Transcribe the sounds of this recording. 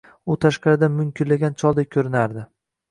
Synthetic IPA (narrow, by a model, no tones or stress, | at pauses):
ʊt̪ʰaʃqɑɾɪd̪amʊmkʲʰɪnlaɡʲant͡ʃʰɒlˠd̪ajʲkʲʰɵɾɪnaɾd̪ɪ